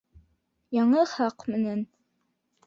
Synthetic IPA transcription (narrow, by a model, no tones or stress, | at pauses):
jɑɴɤχɑqmɘ̆næn